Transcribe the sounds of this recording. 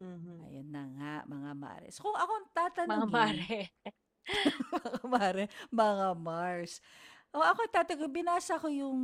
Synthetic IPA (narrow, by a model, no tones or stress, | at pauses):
ɐ̰jonːɐŋaʔmɐŋama̰ɾɛ̰skʊŋɐkoŋt̪aːt̪ɐnɡaɾɛ | mɐŋamaːɾɛmɐŋamaɹskoŋɐkoɐt̪aːt̪ɐɡɪbɪnaːsɐkojʊŋ